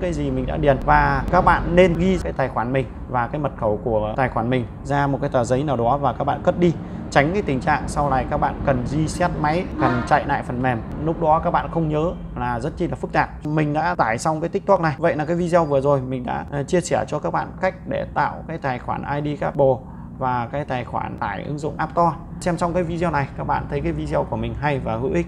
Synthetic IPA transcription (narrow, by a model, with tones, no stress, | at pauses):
kaː˨˦jzi˨˩mï˨˩ŋ̟ɗa̰ː˧˥ɗi˨˩ənvaː˨˩kaː˦˥k̚ɓa̰ː˧˨nːe˧nɣi˧aː˨˦jt̪aː˨˩jxwaː˧˩nm˨˩ŋ̟ | vaː˨˩kaː˨˦jmə˨˩t̚xə˧˩wku˧˩ət̪aː˨˩jxwaː˧˩nmï˨˩ŋ̟ | zaː˧mo˨˩kaː˨˦t̪əː˨˩zə˨˦jnaː˨˩wɗɔ˨˦vaː˨˩kaː˦˥k̚ɓa̰ː˧˨nkə˦˥t̚ɗi˧ | t͡ɕa˨˦ŋkaː˨˦jt̪ï˨˩ŋ̟t͡ɕa̰ː˧˨ŋsa˧wlaː˨˩jkaː˦˥k̚ɓa̰ː˧˨nkə˨˩nzi˧sɛ˦˥t̚ma˨˦jkə˨˩nt͡ɕa̰ː˧˨jna̰ː˧˨jfə˨˩nmɛ˨˩mlʊ˦˥k͡p̚ɗɔ˨˦kaː˦˥k̚ɓa̰ː˧˨nxə˧wŋ͡mɲəː˨˦ | laː˨˩zə˦˥t̚t͡ɕi˧laː˨˩fɨ˦˥k̚t̪aː˨˩p̚mï˨˩ŋ̟ɗa̰ː˧˥t̪aː˧˩jsɔ˧wŋ͡mkaː˨˦t̪k̚t̪ʰu˦˥k̚na˨˩jvə̰˧˨jlaː˨˩kaː˨˦jvi˧zi˧ə˧wvɨ˨˩əzo˨˩jmï˨˩ŋ̟ɗa̰ː˧˥t͡ɕi˧ət͡ɕɛ˧˩t͡ɕɔ˧kaː˦˥k̚ɓa̰ː˧˨nka˦˥jk̟̚ɗe˧˩t̪a̰ː˧˨wkaː˨˦jt̪aː˨˩jxwaː˧˩nʔaː˧jɗi˧kaː˦˥p̚ɓo˨˩ | vaː˨˩kaː˨˦jt̪aː˨˩jxwa̰ː˧˩nt̪aː˧˩jʔɨ̰˨˦ŋzʊ̰˧˨ŋ͡mʔaː˦˥p̚t̪ɔ˧ | sɛ˧msɔ˧wŋ͡mkaː˨˦jvi˧zi˧ə˧na˨˩jkaː˦˥k̚ɓa̰ː˧˨nt̪ʰə˨˦jkaː˨˦jvi˧zi˧ə˧wku˧˩əmï˨˩ŋ̟ɦa˧jvaː˨˩hɨ̰˧˥ʔi̟˦˥